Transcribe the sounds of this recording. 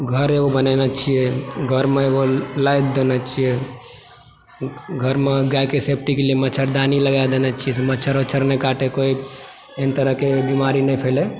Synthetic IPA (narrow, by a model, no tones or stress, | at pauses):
ɡʱəɾeɡobənɛnat͡ʃʰijeɡʱəɾmeeɡolajt̪̚d̪enat͡ʃʰije | ɡʱəɾmeɡajkesep̚ʰʈikeliemət͡ʃʰəɾd̪aniləɡad̪enat͡ʃʰijɛsemət͡ʃʰəɾot͡ʃʰəɾnekaʈekoi | ent̪əɾəɦkebimaɾinɛipʰele